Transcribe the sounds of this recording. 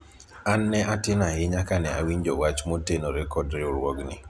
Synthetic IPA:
anːɛʔatɪnahɪɲakanɛa̰wiɲd͡ʒowat͡ʃmotenoɾɛkɔdɾɪoɾwɔɡnɪ̰

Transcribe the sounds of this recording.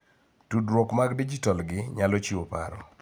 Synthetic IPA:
tudɾwɔkmaɡdid͡ʒitalɡɪɲalɔt͡ʃiopa̰ɾɔ̰

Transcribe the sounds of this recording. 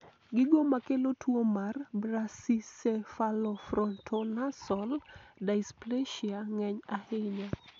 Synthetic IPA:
ɡɪɡomakelotwomarbɾasisefalɔfɾɔntʰonasɔldaɪspleʃiaŋɛɲahɪɲa

